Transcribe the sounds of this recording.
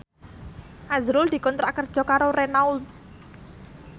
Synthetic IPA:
ʔazɾʊld̪̥i̤kɔnt̪ɾakərd̥ʒ̥ɔ̤kaɾorenaul

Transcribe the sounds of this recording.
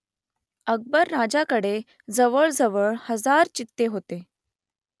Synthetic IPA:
əɡ̚bəɾːad͡ʑakəɽe | d͡zəʋəɭd͡zəʋəɭhəd͡zaɾt͡ɕit̪ːeɦot̪e

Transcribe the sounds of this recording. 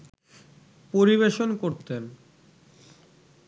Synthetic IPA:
poɾiβeʃonkoɾt̪en

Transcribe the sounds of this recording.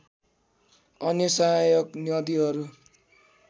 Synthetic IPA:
ʌnjʌsaɦajʌknjʌd̪iɦʌɾu

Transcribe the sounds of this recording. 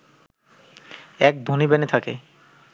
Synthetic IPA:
ɛk̚d̪ʱonibenet̪ʰakḛ

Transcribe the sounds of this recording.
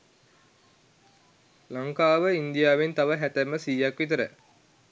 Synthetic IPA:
laŋkaːʋəind̪ijaːʋent̪aʋəɦæt̪æmːəsiːjakʋit̪əɾə̰

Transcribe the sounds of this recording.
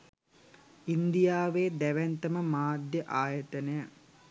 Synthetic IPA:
ind̪ijaːʋeːd̪æʋænt̪əməmaːd̪jəʔaːjət̪ənəjə

